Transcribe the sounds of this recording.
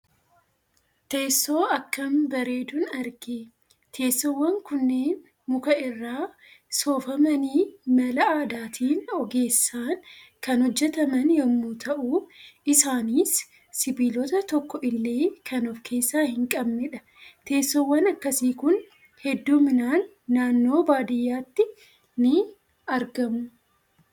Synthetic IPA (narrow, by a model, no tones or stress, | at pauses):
t̪eːsːo̞ːɐkːɐmbɐɾe̞ːd̪ʊnɐɾɡe | t̪ʰe̞ːsːɔwːɐŋkʊnːeːn | mʊkɐɪrːaː | so̞ːfɐmɐniːmɐlɐaːd̪aːt̪ʰiːnɔɡe̞ːsːaːn | kɐnhɔd͡ʒːɛt̪ɐmɐnjɔmːuːt̪ʰɐʔuːɪsaːniːsː | ɪbiːlɔt̪ɐt̪ɔkːɔʔɪlːe̞ːkʰɐnɔfkʰe̞ːsːaːhɪŋkʼɐbnɛᶑɐ | t̪e̞ːsːɔwːɐnɐkːɐsiːkʊn | hɛd̪ːuːmɪnaːnː | aːnːo̞ːbaːd̪ɪjːaːt̪ːɪ | nɪ | ɐɾɡɐmʊ